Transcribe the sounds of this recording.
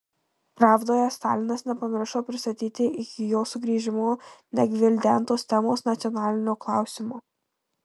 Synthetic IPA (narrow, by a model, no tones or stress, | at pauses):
pɾɑːvd̪oːjɛst̪ɑ̰ːlʲɪnɐsnʲɛpɐmʲɪɾʃoːpʲɾʲɪst̪ɐt̪ʲiːt̪ʲɪʔɪkʲɪjoːsʊɡɾʲiːʒʲɪmoːnʲɛɡʲʋʲɪlʲd̪ʲɛˑnˑt̪oːst̪ʲɛmoːsnɐt̪sʲiɔnɑːlʲɪnʲoːklˠɑˑʊsʲɪmoː